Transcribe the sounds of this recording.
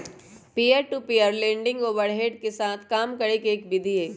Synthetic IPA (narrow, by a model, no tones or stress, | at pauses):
piːəɾʈupiːəɾlẽːɳɖɪ̃ŋɡoːʋəɾɦeːɖkesaːt̪ʰkaːmkɐɾekeːkbɪd̪ʱieː